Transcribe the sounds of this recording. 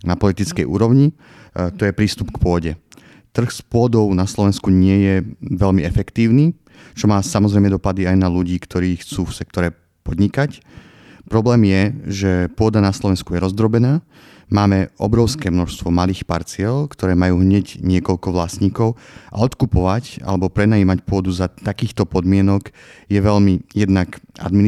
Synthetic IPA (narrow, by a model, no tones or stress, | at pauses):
napɔlit̪it͡skɛjʔṵːɾɔʊɲi | t̪ɔjɛpɾiːst̪upkpʊɔɟɛ | t̪r̩xspʊɔd̪ɔʊnaslɔʋɛnskuɲɪɛjɛʋɛʎmiɛfɛkt̪iːʊniː | t͡ʃɔmaːsamɔzɾɛjmɛd̪ɔpad̪iajnaluɟiːkt̪ʰɔɾiːxt͡suːfsɛkt̪ɔɾɛ | pɔd̪ɲikac | pɾɔblɛːmjɛʒɛpʊɔd̪anaslɔʋɛnskujɛɾɔzd̪ɾɔbɛnaː | maːmɛʔɔ̰bɾɔʊskɛːmnɔʃst̪ʋɔmaliːxpa̰ɾt͡sɪɛlkt̪ɔɾɛːmajuːɦɲɛɟɲɪɛkɔʎkɔʋlasɲiːkɔʊʔa̰ɔt̪kupɔʋaca̰lɛbɔpɾɛnaiːmacpʊɔd̪uzat̪akiːxt̪ɔpɔd̪mɪɛnɔk | jɛʋɛʎmijɛd̪nakʔa̰d̪min